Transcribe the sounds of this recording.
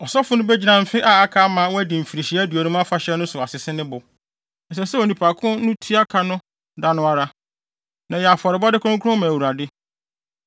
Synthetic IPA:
ɔ˨sɔ˦fʊ˨˦nʊ̃˦bɛ˦d͡ʑi˦nã˨m̩˨fɪ˦ʔa˦a˦kʰa˦mã˨˦wɔ˦æ˦dɪ̃˨m̩˨fi˨ɾi˨ɕi˨˦æ˦du˨o˨nũ˦m˦a˦fa˨ɕɛ˦nʊ̃˦sʊ˨a˨sɪ˨sɪ˦nɪ̃˦bʊ˨ | n̩˨s̬ɛ˨sɛ˦o˨nĩ˨pʰa˨kʰʊ̃˦nʊ̃˦tʰi˦a˦kʰa˨nʊ̃˦ | da˨nʊ̃˦a˦ɾa˦ | nã˨jɛ˨a˨fɔ˨ɾɪ˨ba˦dɪ˦kʰʊ̃˦kʰʊ˦ɾʊ̃˦mã˨wu˨ɾa˨dɪ˦

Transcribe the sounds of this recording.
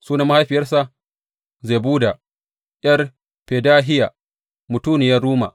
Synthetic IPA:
suː˦na˦ma˦ha˦jɸɪ˨jɐ˦rsa˦ | zeː˨buː˦da˨ | ʔjʲɐ˦r | ɸeː˨daː˦ɦɪ˦ja˨ | mʊ˨tuː˦nɪ˨jɐ˦rɽuː˦ma˨

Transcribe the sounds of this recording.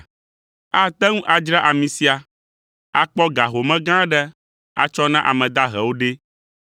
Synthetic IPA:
a˨t̪ɛ˦ŋũ˦ʔa˨d͡ʒɾa˦ʔa˨mĩ˨si˦a˨ | a˨k͡pɔ˦ɡa˨ɦo˨mɛ̃˦ɡã˦ɖɛ˦ | a̰˨t͡ʃɔ˦nã˦ʔa̰˨mɛ̃˨d̪a˦ɦɛ̰˨wo˦ɖe˦

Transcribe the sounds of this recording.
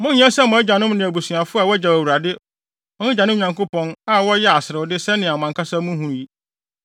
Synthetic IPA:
mʊ̃˦nɲã˦sɛ˦mʊ̃˨æ˦d͡ʑa˨nʊ̃˦mnɪ̃˨æ˨bu˨sũ˨a˨fʊ˦a˨wɔ˦d͡ʑa˨æ˨wu˨ɾa˨dɪ˦ | ɔ̃˦ɪ˦d͡ʑa˨nʊ̃˦˨ɲã˨ŋko˦pʰɔ̃˦na˦wɔ˦jɛ˦a˨sɪ˨ɾɪ˨wʊ˨˦dɪ˦sɛ˦nɪ̃˨a˨mã˨ŋkʰa˦sa˦mʊ̃˦ɦũ˦ɾji˦

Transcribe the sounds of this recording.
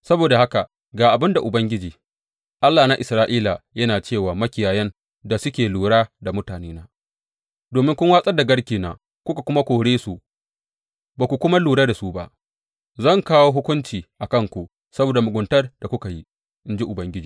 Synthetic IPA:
sɐ˦boː˨da˨ha˦ka˨ | ɡaː˨ʔa˨bɪ˦nda˨ʔʊ˨bɐ˦ŋɡʲɪ˦d͡ʒiː˨ | ʔa˦lːaː˨na˦ʔɪ˨sɾaː˦ʔiː˦la˨jɐ˦naː˨t͡ʃeː˦˨waː˨mɐ˦kʲɪ˨jaː˨jɛ˦n | da˨sʊ˦kʲeː˨luː˨ɽaː˦da˨mʊ˦taː˨neː˦naː˦ | doː˨mɪ˦ŋkʷʊ˦ŋwaː˦sʼɐ˦da˨ɡɐ˦ɽkʲiː˨na̰˨ | kʷʊ˦ka˨kʷʊ˦ma˦kʷoː˨ɽeː˦su˨ | baː˨kʷu˨kʷʊ˦ma˦luː˨ɽaː˦da˨su˦ba̰˦ʔ | zɐ˦˨ŋkaː˦woː˦ɦʊ˦kʷʊ˦nt͡ʃiː˨ʔa˨kɐ˦ŋkʷu˨ʔ | sɐ˦boː˨da˨mʊ˨ɡʷʊ˨ntɐ˦rd̥a˨kʷʊ˦ka˨ji˦ | ʔɪ˦nd͡ʒi˦ʔʊ˨bɐ˦ŋɡʲɪ˦d͡ʒiː˨

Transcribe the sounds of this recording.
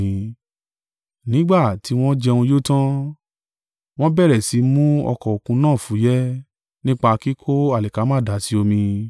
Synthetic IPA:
ĩ˧ | nĩ˨˦ɡ͡ba˦˨ti˨˦w̃ɔ̃˦d͡ʒɛ˧ũ˧jo˦tã˦ | w̃ɔ̃˦bɛ˦˨ɾɛ˨si˨˦mũ˦ɔ̰˧kɔ˨o˨kũ˧nãː˦˨fũ˨˦jɛ˦ | nĩ˦k͡pa˧ki˦kʰo˦a˦˨lɛ˨ka˨˦mãː˦˨da˨˦si˨˦o˧mĩ˧

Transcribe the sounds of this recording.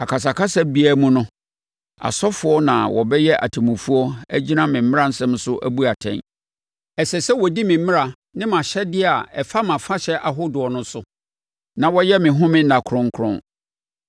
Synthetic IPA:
a˨kʰa˨s̬a˨kʰa˦sa˦bi˦æ˦mũ˦nʊ̃˦ | a̰˨sɔ˦fʊ˦ɔ˦nã̰˨wɔ̰˨bɛ˦jɛ˦ʔa̰˨tʰi˨mũ˨fu˦ɔ˦æ˦d͡ʑi˦nã˦mɪ̃˨m̩˦ɪ̃˦ã˦n̩˦sɛ̃˦m˦sʊ˦ʔæ̰˦bu˦a˨tʰɛ̰̃˦n | ɛ˨sɛ˨sɛ˦wɔ˨di˦mɪ̃˨m̩˦mɪ̃˦ɾa˨ | nɪ̃˦mã˨ɕɛ˦dɪ˦a˨ɛ˨fa˦mã˨fa˦ɕɛ˦ʔa˨ɦʊ˦dʊ˨ɔ˨nʊ̃˦sʊ˦ | nã˨wɔ˦jɛ˦mɪ̃˨ɦʊ̃˦mɪ̃˦nã˨kʰʊ˨ɾʊ̃˦ŋ˦kʰɾʊ̰̃˦

